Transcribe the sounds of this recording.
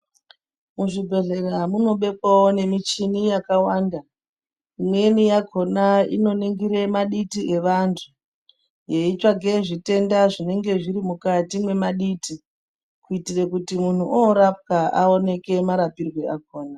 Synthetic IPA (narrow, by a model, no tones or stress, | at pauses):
muʐibʱe̞ɮe̞ramuno̞ɓe̞kwawo̞ne̞mit͡ʃinijakawaːnda | imwe̞nijaɡʱo̞naḭno̞neŋɡiɾe̞maɗitiʔe̞ʋantʰu | je̞it͡ʃaɡe̞ʐite̞ndaʐine̞ŋɡe̞ʐiɾimukatimwe̞maɗiti | kuitirekutimun̤uʔoɾap̚kaʔao̞ne̞ke̞maɾapirwe̞aɡ̚ʱo̞ːna